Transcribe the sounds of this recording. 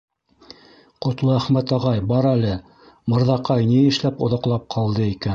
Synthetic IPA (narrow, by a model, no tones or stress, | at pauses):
qŏt̪lˠɤæχmæt̪ɑʁɑjbɑɾælɘ | mɤ̆ɾðɑqɑjniɘ̆ʃlæpŏðɑ̆qlˠɑp̚qʰɑlˠd̪ɤikæn